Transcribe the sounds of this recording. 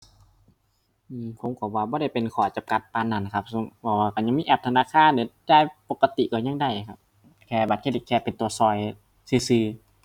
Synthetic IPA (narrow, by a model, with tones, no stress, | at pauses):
ʔɯː˧pʰo˨˦mkʰɔ˧˩waː˧bɔː˧˦ɾa˧˩˨jpe˨nkʰɔː˧˩t͡ɕa˧mka˧˦t̪̚pa˧˨nːa˧˩n˨kʰa˧p̚su˧˦pʰɔː˧˩waː˧ka˧˩ɲa˧ŋmiː˧˨ʔɛː˧˩p̚t̪ʰa˧naː˧˨kʰaː˧˥˨nda˧˦daː˧˥˨jpo˧˩kːa˧t̪i˧˨kɔː˧˩ɲa˧˨ŋda˧˩jkʰa˧p̚ | kʰɛː˧˩ba˨˧t̪̚ʰe˧˩li˧˩kʰɛː˧pe˨nt̪u˨˧˩ɐsɔː˧˩j | siː˧˩sɯː˧